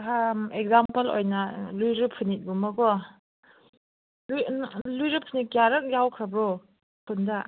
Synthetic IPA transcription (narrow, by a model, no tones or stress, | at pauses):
amek̚zampɐlo̰jnɐlujɾɯpʰɯnit̚ɡumɐɡɔ | lujlujɾɯpʰɯnikjaɾɯk̚jawkʰɾabɾo | kʰunda